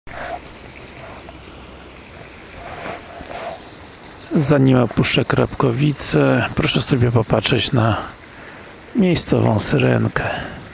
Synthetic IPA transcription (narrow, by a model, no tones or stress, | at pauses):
zaɲimɔpuʂɛkɾa̰pkɔvʲit̪sɛpɾɔʂɛsɔbʲjɛpɔpatʂɛt͡ɕna | mʲjejst̪sɔ̰vɔ̰̃w̃sɾɛ̰ŋkʰɛ